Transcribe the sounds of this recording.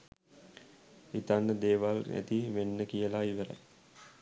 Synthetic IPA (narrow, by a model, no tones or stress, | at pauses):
it̪anːəd̪eːʋalnæ̰t̪iʋenːəkijəlaiʋəɾa̰j